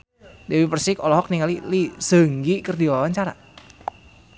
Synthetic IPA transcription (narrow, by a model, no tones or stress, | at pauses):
dewipərsikɔlɔɦɔk̚niŋalilisə̤ŋɡikərdiwawant͡ʃaɾa̰